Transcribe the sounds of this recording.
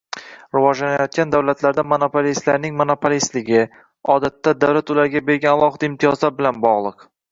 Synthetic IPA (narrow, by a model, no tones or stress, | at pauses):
ɾʊvɒʒlanajɒt̪̚kʲand̪awlat̪ʰlaɾd̪amonopʰolist̪laɾnɪŋmonopʰolist̪lɪɡʲɪ | ɒd̪at̪ʰːad̪awlat̪ʊlaɾɡʲabe̞ɾɡʲanalˠɒhɨd̪̥aɪmt̪ʰijɒzlaɾbɪlanbɒʁlˠɨq